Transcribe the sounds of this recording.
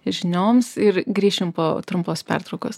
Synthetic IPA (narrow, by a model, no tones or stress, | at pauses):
ʒʲɪnʲoːmsɪɾɡɾʲiːʃʲɪmpo̰ːt̪ɾʊmpoːspʲɛ̰rt̪ɾɐʊkoːs